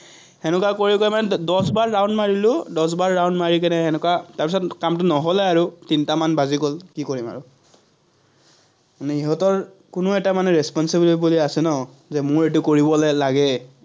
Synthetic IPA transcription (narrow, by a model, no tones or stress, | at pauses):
hɛnʊkakoɹikɔjmanɛdɔsbaɹːawndmaɹilʊdɔs̬baɹːawndmaɹik̬ɛnɛxɛnʊkataɹpisɔtkamtʊnɔɦolɛaɹutintamanbazikolkikoɹima̰ɹʊ | manɛiɦɔtɔɹ | kʊnʊɛtamanɛɹɛspɔnsibiliibuliasɛnɔ | zɛmʊɹetʊkoɹibɔlɛlaɡɛ